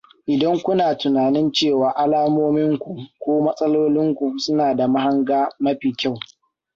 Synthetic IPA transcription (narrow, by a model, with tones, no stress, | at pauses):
ʔɪ˨dɐ˦ŋkʷʊ˦naː˨tʊ˨naː˨nɪ˦nt͡ʃeː˦˨waː˨ʔa˦laː˦moː˦mɪ˦ŋkʷu˨kʷoː˦mɐ˦sʼɐ˦loː˦lɪ˦ŋkʷu˨sʊ˦naː˨da˨ma˦ɦa˦ŋɡaː˦mɐ˦ɸiː˨kʲa˦˨w